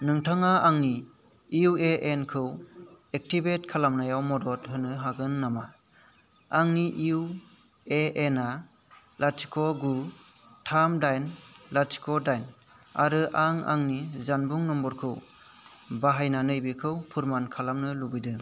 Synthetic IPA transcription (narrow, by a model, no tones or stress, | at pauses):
nɯŋtʰaŋaaŋni | iueʔenkʰɯwek̚tibetkʰalamnajawmɔdɔthɯnɯɦaɡɯnːama | aŋniʔiuw | eena | lat͡ʃi̥kʰɔɡu | tʰamdajnlaɾt͡ʃi̥kɔdajna̰ɾɯʔaŋa̰ŋnizanbuŋnɔmbɔɾkʰɯw | baɦajnanɯjbikʰɯwpʰuɾmankʰalamnɯlubɯjdɯŋ